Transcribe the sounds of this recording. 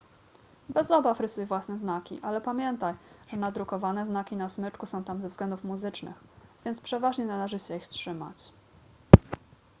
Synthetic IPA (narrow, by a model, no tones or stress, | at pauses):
bɛzɔbafɾɘsujɛvwasnɛznakʲḭʔalɛpamʲjɛnt̪ajʐ̥ɛnad̪ɾukɔvanɛznakʲinasmɘt͡ʂkusɔ̃w̃t̪amzɛvzɡlɛnd̪ufmuzɘt͡ʂnɘ̰xvʲjɛnt̪spʂɛvaʐɲɛnalɛʐɘɕɛixstʂɘma̰t͡ɕ